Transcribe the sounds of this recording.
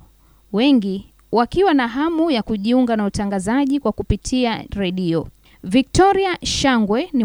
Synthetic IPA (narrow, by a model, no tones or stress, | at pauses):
wɛŋɡi | wakiwanaɦamujakuʄiuŋɡanautaŋɡazaʄikwakupitʰiaɾɛɗiɔ | vik̚tɔɾiaʃaŋɡwɛni